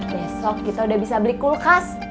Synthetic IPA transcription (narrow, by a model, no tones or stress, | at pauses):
besɔkːit̪audahbisabəlikulkas